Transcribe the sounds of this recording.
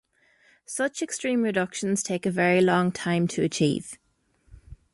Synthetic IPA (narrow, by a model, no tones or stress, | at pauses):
sʌt͡ʃɛkstɹ̥ĩːmɹɪdʌkʃə̃nz̥tʰeɪkəvɛɹilɒ̃ŋtʰãɪ̃mtʰəət͡ʃʰḭːv̥